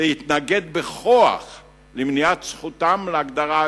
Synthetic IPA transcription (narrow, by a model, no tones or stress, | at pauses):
ehit̪naɡe̞d̪̚beχoa̰χ | lemniat̪sχut̪amleaɡd̪aʁa